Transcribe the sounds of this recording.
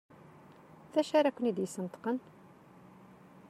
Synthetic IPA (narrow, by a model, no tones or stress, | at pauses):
θæʃaɾækʷːənid̪jəsːənət̪qən